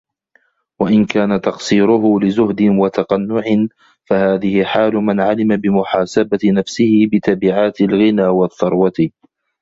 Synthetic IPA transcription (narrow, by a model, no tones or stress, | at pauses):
waʔɪnkaːnat̪ɑqsˤiːɾʊɦʊlɪzʊhd̪ɪnwat̪ɑqɑnːʊʕɪn | fahaːðɪhɪħaːlʊmanʕalɪmabɪmʊħaːsabat̪ɪnafsɪhɪbɪt̪abɪʕaːt̪ɪlɣɪnaːwɑθːɑɾˤwɑt̪ɪ